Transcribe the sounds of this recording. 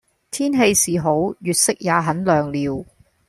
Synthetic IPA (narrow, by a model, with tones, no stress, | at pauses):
t̪ʰiː˥nɦe˧jsiː˨˩ɦo˨˥wjyː˨t̚sɪ˥k̚jaː˨˧ɦɐ˨˥nlœː˨ŋliː˨˧w